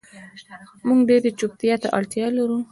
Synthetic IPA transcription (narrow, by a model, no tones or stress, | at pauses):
muŋɡɖeɾd̪ət͡ʃʊp̚t̪ijat̪aʔa̰ɽt̪jɑlaɾu